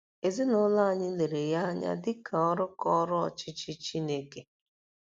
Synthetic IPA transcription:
e˨zi˦nʊ˦la˦a˨ɲɪ˦le˨ɾe˨ja˦ɲa̰˦dɪ˦ka˨ɔ˦ɾʊ˦kɔ˦ɾʊ˦ɔ̰˨t͡ʃɪ˦t͡ʃɪ˦t͡ʃi˦ne˦ke˨

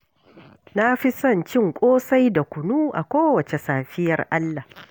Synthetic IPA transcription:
na˦ɸi˦sɐ˦˨nt͡ʃɪ˦˨ŋkʷʼoː˦sa˦jda˨kʷʊ˨nuː˦ʔa̰˨kʷoː˦wɐ˨t͡ʃe˨saː˨ɸɪ˦jɐ˨rʔa˦lːa˨

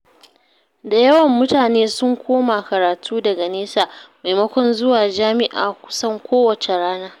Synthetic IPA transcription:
da˨jɐ˦wɐ˨mːʊ˦taː˨neː˦sʊ˦ŋkʷʰoː˦maː˨kɐ˨ɾaː˨tʰuː˦dɐ˨ɡa˨neː˦saː˨ma˨jmɐ˦kʷɔ˦nzʊ˦waː˨d͡ʒaː˦mɪ˦ʔa̰ː˨kʷʊ̥˦sɐ˦ŋkʷoː˦wɐ˨t͡ʃe˨ɽaː˦naː˦

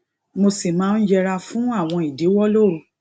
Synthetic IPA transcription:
mo˧si˨mãː˦n̩˦d͡ʒɛ˧ɾa˧fũ˦a˦˨w̃ɔ̃˧i˨de˨˦wɔ˦lo˦ɾo˧

